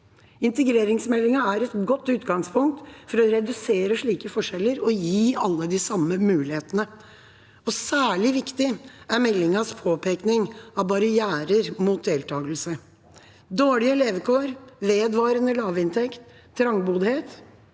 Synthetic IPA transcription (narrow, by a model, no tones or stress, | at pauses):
ɪnt̪əɡɾeːɾɪŋsmɛlːɪŋɑæɾɛt̪ɡɔt̪ːʉːt̪ɡɑŋspʰʊŋk̚t̪fɔɾɔɾɛd̪ʉseːɾəʂɭiːkəfɔʂɛlːəɾɔjiːɑlːəd̪ɪsɑmːəmʉːlɪheːt̪ənə | ɔsæːɭɪʋɪkt̪ɪæɾmɛlːɪŋɑspʰoːpʰeːknɪŋɑʋbɑɾɪjæːɾəɾmuːt̪̚d̪eːlt̪ʰɑːɡəlsə | d̪oːɭɪəleːʋəkʰoːɾʋeːd̪ʋɑːɾənəlɑːʋɪnt̪ʰɛkt̪ʰː | ɾɑŋbuːd̪heːt̪